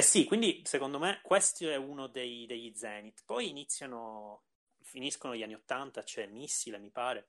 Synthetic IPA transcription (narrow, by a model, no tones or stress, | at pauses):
ɛsikwind̪isekond̪omekːwest̪oɛunod̪ejd̪eʎːid̪zɛːnit̪pɔjinit̪sːjano | finiskonoʎːanːiot̪ːant̪at͡ʃoɛmisːilemipaːɾe